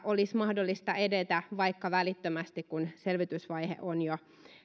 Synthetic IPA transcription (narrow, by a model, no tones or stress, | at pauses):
ʔolismɑhdolːist̪ɑedet̪æʋɑikːɑʋælit̪ːømæst̪ikkunselʋit̪ysʋɑjhḛʔonjo